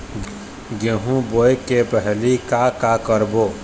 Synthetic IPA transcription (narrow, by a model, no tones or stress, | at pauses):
ɡeɦũbojekepəɦlikakakəɾboː